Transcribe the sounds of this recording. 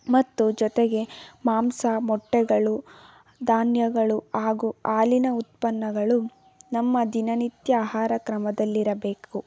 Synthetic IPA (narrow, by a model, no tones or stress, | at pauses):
mɐt̪ːud͡ʒɔt̪eɡe̞maːmsɐmɔʈːɛɡɐɭu | d̪aːnjɐɡɐɭuaːɡuaːlinɐut̪̚pɐnːɐɡɐɭu | nɐmːɐd̪inɐnit̪jɐaːhaːɾɐkɾɐmɐd̪ɐlːiɾɐbe̞ːku